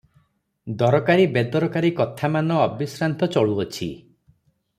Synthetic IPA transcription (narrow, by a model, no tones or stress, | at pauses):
d̪ɔɾɔkaɾibed̪ɔɾɔkaɾikɔt̪ʰamanɔːbisɾant̪ɔt͡ʃɔɭuɔt͡ʃʰḭ